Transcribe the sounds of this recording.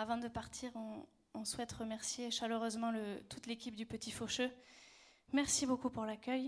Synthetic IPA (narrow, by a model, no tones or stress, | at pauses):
avɑ̃d̪əpaʁt̪ʰiʁɔ̃ː | swɛt̪ʁəmɛʁsjeʃaløʁøzmɑ̃lət̪ut̪lekʲip̚d̪ypət̪ʰifoʃø | mɛʁsibokupuʁlakʲœj